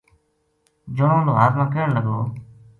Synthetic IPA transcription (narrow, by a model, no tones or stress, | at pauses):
d͡ʒoːõːloːɦaːt̪mãːkəːəɳləɡoː